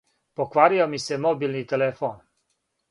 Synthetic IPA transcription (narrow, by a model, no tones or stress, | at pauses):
pokʋaːɾijomisɛmobilnit̪ɛlɛfon